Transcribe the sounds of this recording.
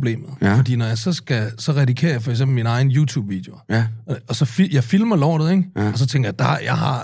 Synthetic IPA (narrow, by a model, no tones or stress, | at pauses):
b̥le̝̰ːmð̩ˠfɒ̽d̥ḭːnɒjɑ̈ɪsɒ̽sɡ̥æsɒ̽ʁɑpʰikʰe̝̰ːɐjafɒ̽ɪɡ̥sembl̩minɑ̈ɪn̩juːt͡sʰṵːb̥ʋid̥e̝oɒ̽sɒ̽fjɑ̈ɪfilmɐlɒ̰ːdð̩ˠeŋ̥ɒ̽s̬ɒ̽t͡sʰeŋɡ̥ɐjad̥ɑ̈jɑ̈ɪɦɑ̈